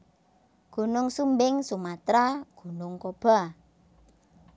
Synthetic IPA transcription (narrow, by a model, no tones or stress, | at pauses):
ɡ̥ṳnʊŋsumbɪŋsumat̪ɾaɡ̥ṳnʊŋkob̥a̤